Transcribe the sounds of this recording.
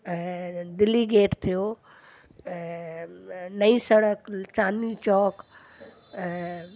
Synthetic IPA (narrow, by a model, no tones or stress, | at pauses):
d̪ɪliɡeːʈt̪ʰijoː | nɐĩsɐɽəkt͡ʃaːnit͡ɕɔːk